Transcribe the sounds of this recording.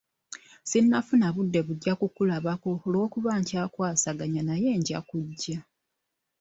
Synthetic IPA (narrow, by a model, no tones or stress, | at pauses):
sinːafunaβudːe̞βuɟːakukulaβako̞ːlwo̞ːkuβaːɲcaːkwaːsaɡaɲanaje̞ːɲɟa̰kuɟːa